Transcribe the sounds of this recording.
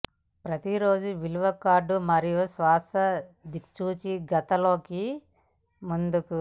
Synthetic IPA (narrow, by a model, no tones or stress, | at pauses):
pɾɐt̪iɾo̞ːd͡ʒuʋiluʋɐkaːɾɖumɐɾijusʋaːsɐd̪it͡ʃuːt͡ʃiɡɐt̪ɐlo̞ːki | mund̪uku